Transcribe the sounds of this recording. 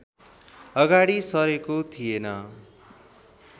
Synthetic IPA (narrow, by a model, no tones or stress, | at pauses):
ʌɡaɽisʌɾekot̪ʰijenʌ